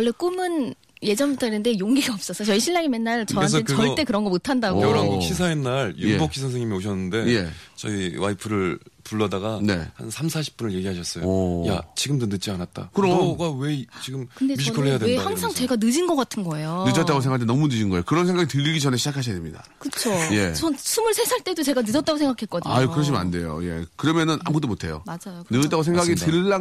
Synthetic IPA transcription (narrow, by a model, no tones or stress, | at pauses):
wʌɭːek͈umɯn | je̞d͡ʑʌnbutʰʌenɯndejoŋɡiɡaʌp̚s͈ʌsʰʌt͡ɕʌiɕʰiɭːaɡimenːaɭt͡ɕʌaɾeantʰet͡ɕʌɭʌt͈e̞kɯɾʌnɡʌmotʰandaɡʌɾaŋɕʰis̬ʰaenːaɾjuebokʰisʰʌŋs̬ʰeŋɲimioɕʰʌnːɯnde̞je̞t͡ɕʌ̰iwaipʰɯɾɯɭpuɭːʌdaɡane̞̰ha̰nsʰamsʰaɕʰi̥p̚p͈unɯɭje̞ɡʲiɦaɕʰʌs͈ʌjoja̰t͡ɕiɡɯmdɯnɯt͡ɕ͈ianat̚t͈a̰kɯɾʌɡawe̞t͡ɕiɡɯmɯndemiikʰɯɭɦejadehaŋsʰaŋt͡ɕeɡanɯd͡ʑinɡʌk͈atʰɯnɡʌejonɯd͡ʑʌtt͈aɡos̬eŋɡaɭt̬enʌmunɯd͡ʑinɡʌejokɯɾʌnsʰe̞ŋɡaɡitɯɾiɡid͡ʑʌne̞ɕʰid͡ʑakʰaɕ̬ʰʌdemɲida̰ | kɯt͡ɕʰoje̞t͡ɕʌnsʰumɯɭsʰe̞sʰaɭt͈e̞dot͡ɕeɡanɯd͡ʑʌt͈aɡosʰŋɡakʰek͈ʌdiɲajokɯɾʌɕ̬ʰima̰nde̞jo̰je̞̰kɯɾʌmjʌnɯnʔa̰mbot̬͈omotʰe̞jo̰mad͡ʑajonɯtt͈aɡos̬ʰeŋɡaɡitɯɭːa